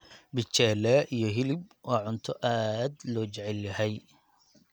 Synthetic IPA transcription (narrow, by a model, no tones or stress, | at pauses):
bɪt͡ʃɛːlɛʔijɞɦɪlɪb̚wɑːʕʊnt̪ʰɔʔaːd̪lɔːt͡ʃɛʕɛljɐhɛj